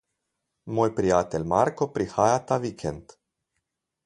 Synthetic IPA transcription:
mojpɾiat̪elmarkopɾihajat̪avikʰent̪

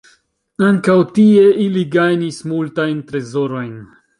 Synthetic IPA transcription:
aŋkawt̪ieʔiliɡajnismult̪ajnt̪ɾezoɾo̞jn

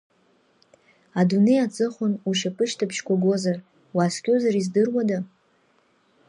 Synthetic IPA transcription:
adune̞jat͡sʼɨχʷʊnuʃapʼɨʃtʰapʰʃkʷʰaɡʷo̞zar | waːskʲʼozaɾizdɨrwada

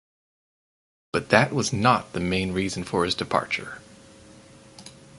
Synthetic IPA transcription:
b̥ʌt̪̚ðɨʔwʌznət̪̚ðɨmẽɪ̃nɹizn̩fə˞ɨzdɨpʰɑ̰ɹt͡ʃə̰˞

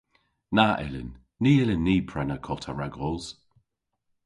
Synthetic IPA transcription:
naʔɪ̰lɪ̰nː | iːɪlɪnːiːpʰɹɛnəkʰɔtʰaɹaɡʁɔːz̥

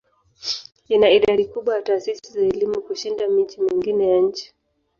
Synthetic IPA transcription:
inaiɗaɗikuɓwajataːsisizaɛlimukuʃindamit͡ʃimiŋɡinɛjaɲ̩t͡ʃi̥

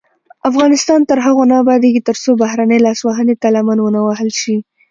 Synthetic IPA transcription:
afɣɑnɪst̪ɑnt̪əɾɦaɣonɑbɑd̪eɡit̪əɾsobahɾanəjlɑswaɦənet̪alamanwənawahəlʃi

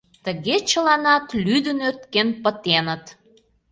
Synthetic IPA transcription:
t̪əɣet͡ɕə̆lɑnɑt̪lyd̪ənøt̪̚kenpət̪enə̆t̪

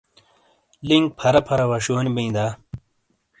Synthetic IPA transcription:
liŋk̚pʰɐɾɐpʰɐɾɐwɐɕoːnibɐĩnd̪aː

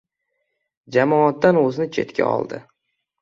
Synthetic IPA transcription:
d͡ʒamɒat̪ːanɵzɪnɪt͡ʃʰe̞̰t̪kʲʰa̰ɒ̰lˠd̪ɪ

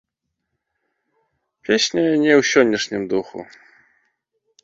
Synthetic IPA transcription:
pʲesʲnʲɐnʲɛwsʲɔnʲːiʂnʲimd̪uxṵ

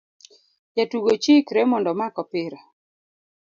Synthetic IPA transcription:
jatuɡot͡ʃikɾɛmɔndɔmakɔpɪɾa

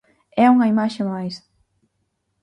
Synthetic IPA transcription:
ɛuŋɐimaʃemajs

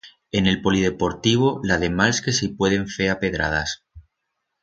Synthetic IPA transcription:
e̞ne̞lpo̞lið̞e̞po̞ɾt̪iβ̞olað̞emalskesipwe̞ð̞e̞ɱfe̞ape̞ðɾa̰ð̞as

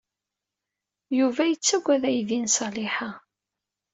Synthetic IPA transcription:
juvæjət͡sːæɡʷæðæjðinsˤɑlɪħa

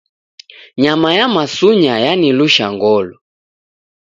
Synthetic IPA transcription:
ɲamajamasuɲajaniluʃaŋɡɔlɔ

